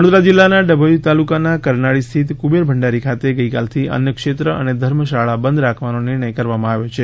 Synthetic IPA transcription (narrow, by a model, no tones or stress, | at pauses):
əɽ̃od̪ɾad͡ʒilːanaɖəbʱəjut̪alukanakəɾnaɭist̪ʰit̪kubeɾbʱəɳɖaɾikʰat̪eɡəikalt̪ʰiə̰njəkʃet̪ɾəʔə̰ned̪ʱəɾməʃaɭabənd̪ʱɾakʰʋanonɪɾɳ̃əjkəɾʋamãaʋjot͡ʃʰe